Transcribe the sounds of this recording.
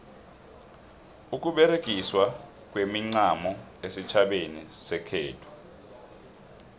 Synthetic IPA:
uk̬ʼuɓɛɾek̬ʼiswa | k̬ʼwemiŋ͡ǀamɔ | esit͡ʃʰaɓenisɛkʰeːtʰu̥

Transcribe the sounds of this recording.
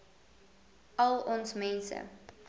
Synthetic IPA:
ɐlˠɔnsmɛnsə̰

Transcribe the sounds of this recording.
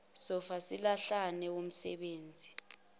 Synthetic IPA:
sɔfasilaɬanɛwom̩sɛ̰ɓeːnd͡zʱi

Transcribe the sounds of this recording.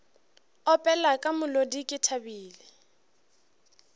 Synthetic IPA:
ɔpʼɛlakʼamʊlodikʼɪtʰabiːlɪ

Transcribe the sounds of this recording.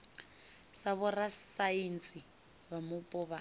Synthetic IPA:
saβɔrasaint͡si | βamupʼɔβa

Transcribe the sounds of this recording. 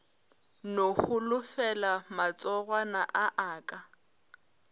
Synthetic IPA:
noχʊlʊfɛlamat͡sʼɔɣwanaʔaʔaːkʼa

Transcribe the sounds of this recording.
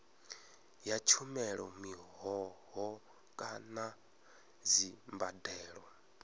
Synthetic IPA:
jat͡ʃʰumɛɺɔ̰miɦɔɦɔ | kʼana | zimbadɛːɺɔ

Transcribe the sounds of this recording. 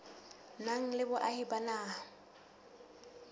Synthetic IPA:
naŋ̩lɪbʊʔahibanaː

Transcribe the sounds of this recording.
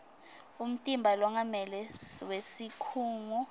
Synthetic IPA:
um̩tʼimbʱalwaŋamɛlɛwesikʰuːŋu

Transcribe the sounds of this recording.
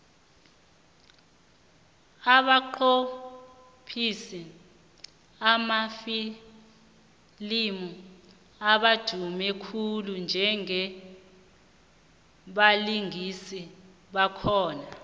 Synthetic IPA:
aɓaǃo | pʰisɛ | amafi | limu | aɓḁd̥ʱumɛkʰulund͡ʒʱɛŋɛ | ɓaliŋisi | ɓakʰɔːna

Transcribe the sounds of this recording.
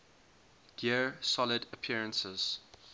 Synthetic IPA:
ɡ̥isɔlɪdəpʰiɹə̃nsəz̥

